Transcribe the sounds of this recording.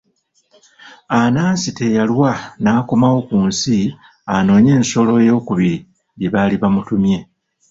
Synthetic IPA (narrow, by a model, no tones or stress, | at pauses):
anaːnsite̞jalwanaːko̞mawo̞kuːnsi | ano̞ːɲe̞ːnso̞lo̞jo̞ːkuβiɾi | jeβaːliβamutumje̞